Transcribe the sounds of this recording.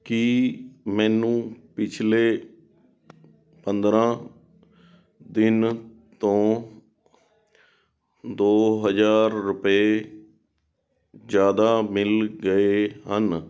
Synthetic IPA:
kimɛ̃ːnũːpɪt͡ʃʰleː | pənd̪ɾãː | d̪ɪnt̪õː | d̪oːɦəd͡ʒaːɾːʊpeː | d͡ʒjaːd̪aːmɪlɡəeɦən

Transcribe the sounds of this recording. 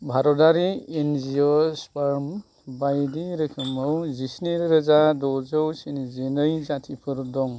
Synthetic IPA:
bʱaɾɔdaɾienziospaɾm | bajdiɾɯkʰɯmɯwzisniɾɾɯzadɔzɯwsinizenɯjzatʰipʰɯɾdɔŋ

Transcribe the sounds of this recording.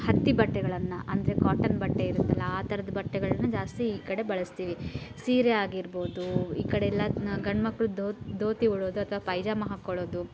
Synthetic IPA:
hɐt̪ːibɐʈːɛɡɐɭɐnːɐʔɐnd̪ɐɾekaːʈɐnbɐʈːeiɾunt̪ːɐlːɐaːt̪ɐɾɐd̪ɐbɐʈːɛɡɐɭɐnːɐd͡ʒaːst̪iːkɐɽe̞bɐɭɐst̪iːʋisiːɾeaːɡiɾbo̞ːd̪uiːkɐɽeɛlːɐɡɐɳmɐkːɐɭud̪oːd̪ʱoːt̪iuɭoːd̪uɐt̪ʰɐʋaːpɐjd͡ʒaːmɐɦakːoɭo̞ːd̪u

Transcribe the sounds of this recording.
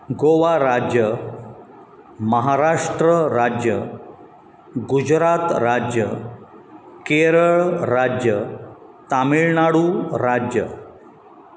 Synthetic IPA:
ɡoʋaɾad͡ʑjə | məɦaɾaʂʈɾəɾad͡ʑjə | ɡud͡ʑɾat̪ɾad͡ʑjə | keɾəɭɾad͡ʑjə | t̪amiɭnaɽuɾad͡ʑjə̰

